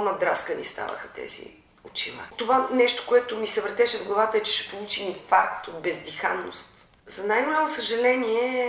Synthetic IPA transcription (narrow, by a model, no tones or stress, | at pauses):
nɐd̪ɾaskənḭst̪a̰və̰xət̪ɛ̰zḭ | ot͡ʃilˠa̰t̪ovanɛʃt̪o̥koɛt̪omisɐvɾt̪ɛʃɛvɡlˠɐvat̪əɛt͡ʃɛ̥ʃɛ̥polˠut͡ʃinifaɾkt̪od̪̚bɛzd̪ixa̰nːo̰st̪ | zɐnajɡ̪olʲamosəʒɐlɛniɛ